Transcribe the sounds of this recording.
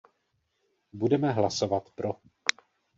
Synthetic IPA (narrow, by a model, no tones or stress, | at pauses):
budɛmɛɦlaso̞vat̪pɾo